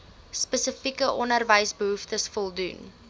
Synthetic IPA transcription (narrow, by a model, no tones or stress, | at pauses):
spəsəfikəʔɔnərvəjsbəɦuftəsfɔlˠdun